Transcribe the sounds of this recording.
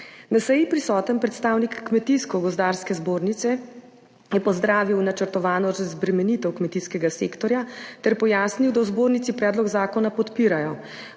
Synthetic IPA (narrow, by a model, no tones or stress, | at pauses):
nasɛjipɾisɔːt̪ənpɾɛt̪st̪aːwnikːmɛt̪iskɔɡɔzd̪aːɾskɛzboːɾnit̪sɛ | jɛpɔzd̪ɾaːʋiwnat͡ʃəɾt̪ɔʋaːnɔʒzbɾɛmɛnit̪ɛwkmɛt̪iskɛɡaseːkt̪ɔɾjat̪ɛɾpɔjaːsniwd̪awzboːɾnit̪sipɾɛːd̪lɔɡzaːkɔnapɔt̪piːɾajɔ